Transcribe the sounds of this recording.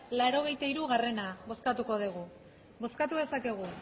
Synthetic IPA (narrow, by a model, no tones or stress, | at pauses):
laɾo̞ɣ̞e̞jt̪aiɾuɣare̞naβo̞skat̪uko̞ðiɣ̞u | bo̞skat̪uðe̞sake̞ɣ̞u